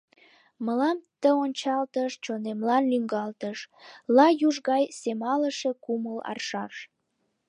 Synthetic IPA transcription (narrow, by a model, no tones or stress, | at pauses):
məlɑmt̪əonʲt͡ɕɑlt̪əʃt͡ɕonemlɑnlyŋɡɑlt̪əʃlɑjuʒɣɑjsemɑləʃekuməlɑ̰rʃɑʃ